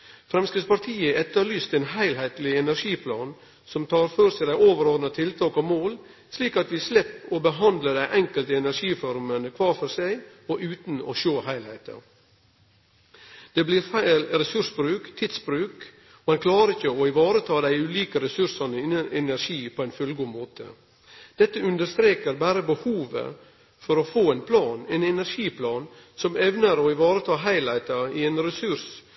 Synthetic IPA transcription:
fɾɛmskɪt̪spɑɾt̪ʰiːəɛt̪ːəɾlyːst̪ɛːnhæɪlhɛɪt̪lɪɛnæɾʂiːpʰlɑ̰ːn | sɔmt̪ʰɑːɾføːɾsɛɪd̪æɪoːʋəɾoːd̪nət̪ʰɪlt̪ʰɑːkɑʋmoːl | sliːkɑt̪ʋɪslɛpːɔbəɦɑnd̪ləd̪æɪʔɛŋkəlt̪əɛnæɾʂiːfɔɾmənəkʰʋɑːɾfɔɾsæɪ | ɔʔʉːt̪nɔ̰ʃoːɦæɪlheɪt̪ə̰ | d̪̥ɛbliːɾfæɪlɾɛsʉʂbɾʉːkt̪ʰɪd̪sbɾʉːk | mɑnkʰlɑːɾəɾɪçəɔɪʋɑːɾət̪ʰɑːd̪æɪʉliːkəɾɛsʉɾʂɑnəəʔɛnæɾʃiːpʰɔæɪnfʉlɡuːmoːt̪ʰə̰ | d̪̥ɛt̪ːəʉnd̪əɾst̪ɾeːkəɾbæːɾəbəhuːʋə̰ | fɔɾofoːɛɪnpʰlɑːnɛːnɛnæɾʂiːpʰlɑːnsɔmɛʋnəɾɔɪʋɑːɾət̪ʰɑːɦæɪlæɪt̪ɑiɛːnɾɛsʉs

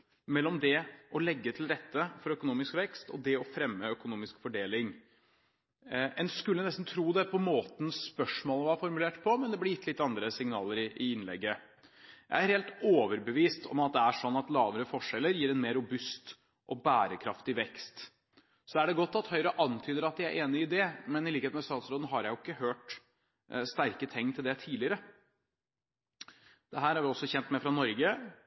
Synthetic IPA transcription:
mɛlːɔmd̪ɛʔɔlɛɡːət̪ʰɪlɾɛt̪ːəfɔɾœkʊnuːmɪskʋɛkst̪ɔ̰d̪ɛɔfɾɛmːəœkʊnuːmɪskfɔɖeːlɪŋ | ɛnskʉlːənɛst̪n̩t̪ʰɾuːd̪ɛpʰɔmoːt̪n̩spœʂmoːləʋɑɑfɔɾmʉleːʈpʰɔmɛnd̪ɛblɛjɪt̪ːlɪt̪ːɑnd̪ɾəsɪŋnɑːləɾɪʔɪɪnlɛ̰ɡːə | jæ̰ɪæɾheːlt̪oːʋəɾbəʋiːst̪ʰɔ̰mɑt̪̚d̪ɛæʂɔnːɑt̪lɑːʋəɾəfɔʂɛlːəɾjiːɾɛnmeːɾːʊbʉst̪ | ʔɔbæːɾəkʰɾɑft̪ɪʋɛkst̪ | sɔæɖɛɡɔt̪ːɑt̪hœʏɾəʔɑnt̪ʰyːd̪əɾɑt̪d̪jæɪæ̰ɾʔeːnɪɪd̪ɛmɛnɪliːkəet̪mɛst̪ɑːt̪sɾoːd̪n̩ɦɑɾjæɪjʊɪkːəhøːʈ | st̪æɾkət̪ʰɛŋːt̪ʰɪld̪ɛt̪ʰiːlɪəɾə | d̪̥ɛɦæːɾæɾʋɪlɔsːɔçɛnt̪mɛfɾɑnɔɾɡə

